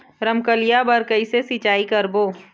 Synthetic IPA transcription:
ɾəmkəlijabɐɾkɐisesit͡ʃaːikɐɾboː

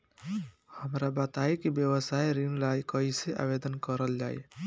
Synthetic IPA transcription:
həmɾabət̪aikibjəwəsaiɾiŋlaikəiseʔa̰bed̪ənkəɾəld͡ʒaḭ

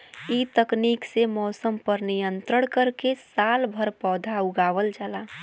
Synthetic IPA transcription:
it̪əkniksemɔːsəmpəɾnijə̃nt̪ɾəɽ̃kəɾkesaːlbʱəɾpɔːd̪ʱauɡaːʋəld͡ʒala

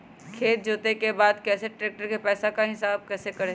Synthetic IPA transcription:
kʰeːt̪̚d͡ʒoːt̪ekebaːd̪kɛːseʈɾeːk̚ʈəɾkepɛːsakaɦɪsaːb̚kɛːsekɐɾe

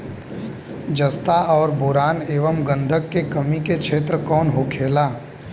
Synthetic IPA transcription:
d͡ʒəst̪aɔːɾbʊːɾaːneːʋəmɡə̃nd̪ʱəkːekəmikekʃeːt̪ɾəkɔːnɦokʰeːlaː

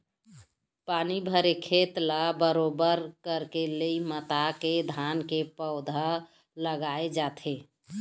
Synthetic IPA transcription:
panibʱəɾekʰet̪labəɾobəɾkəɾkeleimət̪aked̪ʱankepəʊd̪ʱə | ləɡaed͡ʒat̪ʰe

